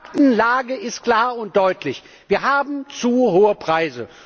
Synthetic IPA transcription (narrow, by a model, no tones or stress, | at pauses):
ktn̩laːɡəɪst̚kl̥aːɐʊnt̚d̥ɔʏtʰlɪç | viːɐɦaːbm̩t͡suːɦoːəpʁ̥aɪzə̰